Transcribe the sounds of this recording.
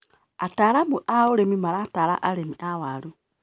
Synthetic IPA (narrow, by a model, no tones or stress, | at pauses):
ataɾamuʔaoɾemimaɾataɾa̰ʔaɾemiʔawaɾu